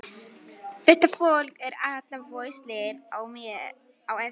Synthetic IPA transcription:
fɪht̪afowlkɛɾat̪lavoːjslɛɪɾaw | awɛ

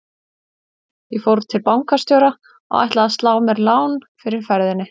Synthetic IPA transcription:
jɛfowɾt̪ʰɪlpawŋkast̪jowɾa | ɔ̰ɣa̰jht̪laðast̪laːwmɛɾlaːwnfɪɾɪɾ̥fɛɾðɪnɪ

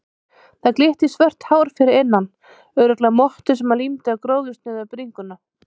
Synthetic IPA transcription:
θaðklɪht̪isvœr̥t̪haːwɾ̥fɪɾɪɾɪnːan | œːɾʏt̪lamɔht̪ʏ̥sɛmalimt̪ɪakɾoːwðʏst̪nɪːðapɾiŋkʏna

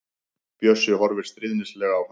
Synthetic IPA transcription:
pjœsʏhɔɾvɪɾ̥st̪ɾɪðnɪslɛːɣaawv

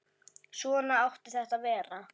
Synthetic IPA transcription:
sɔːnaawht̪ɪθɛht̪avɛːɾa

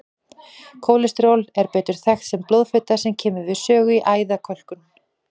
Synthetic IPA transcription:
kʰoːwlɪst̪ɾowlɛɾpɛːt̪ʏɾ̥θɛxt̪sɛmplowðfet̪asɛmcʰɛːmʏɾvɪsœːɣʏiʔaːjðakʰɔl̥kʏn

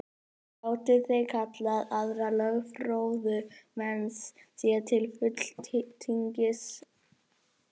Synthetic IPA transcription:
paːwt̪ɪθejkʰat̪laðaðɾalœɣfɾowðʏmɛnssiːat̪ʰɪlfʏt̪l̥t̪t̪ʰiɲcɪs

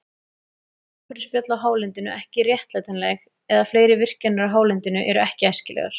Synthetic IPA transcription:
kvɛɾɪspjœt̪laɦaːwlɪnt̪ɪnʏ̰ʔɛhcɪrjɛht̪lajt̪anlɛɣ | ɛðafleːjɾɪvɪr̥cɛnaɾaɦaːwlɪnt̪ɪnʏʔɛɾʏɛhcɪɛscɪlɛ̰ɣa̰ɾ̥

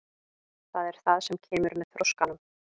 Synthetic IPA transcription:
θaðɛɾ̥θaðsɛmcʰɛːmʏɾmɛðθɾoskanʏm

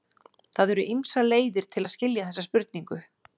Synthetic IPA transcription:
θaðɛɾʏʔimsaleːjðɪɾ̥t̪ʰɪlaðscɪljaθɛsːaspʏɾt̪niŋkʏ

